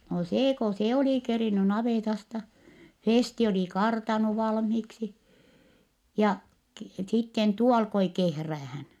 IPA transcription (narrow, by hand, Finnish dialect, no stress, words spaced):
no seː ko se oli keriny nɑʋeˑtɑstɑ feˑsti oli kɑrtɑnu ʋɑlmhiːksi jɑ ki sitːen tuo ɑlkoi kehræːhæn